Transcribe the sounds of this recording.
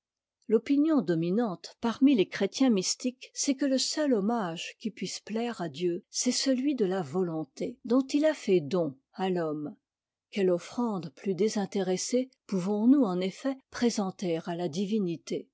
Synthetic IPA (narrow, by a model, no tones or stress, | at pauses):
lɔpinjɔ̃d̪ɔminɑ̃t̪paʁmilekχet̪jɛ̃mist̪iksɛkələsœlɔmaʒkʲipɥisplɛʁad̪jøsɛsəlɥid̪əlavɔlɔ̃t̪ed̪ɔ̃t̪ilafɛd̪ɔ̃ | alɔm | kʲɛlɔfχɑ̃d̪plyd̪ezɛ̃t̪eʁesepuvɔ̃nuɑ̃nefɛpχezɑ̃t̪eʁalad̪ivinit̪e